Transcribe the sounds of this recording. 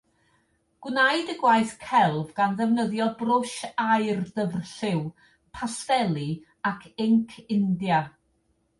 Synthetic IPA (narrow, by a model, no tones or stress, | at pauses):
ɡ̥wnajdəɡwaɨθkʰɛlˠvɡanðɛvnəðjɔbrʊʃaɨrðəvrɬɪw | pʰastɛlˠi | akʰɪŋkʰɪndja